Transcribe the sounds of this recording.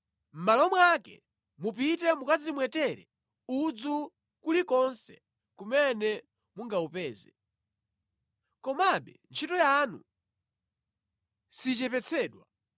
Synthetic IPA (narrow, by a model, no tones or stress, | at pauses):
m̩malɔmwakɛ̰ | mupitɛmukazimwɛtɛɾɛ | ud͡zu | kulikɔnsɛ̥ | kumɛnɛ | muŋɡaupɛːzɛ | kɔmaɓɛnt͡ʃʰitɔjanṵ | sit͡ʃɛpɛt͡sʰɛːɗwa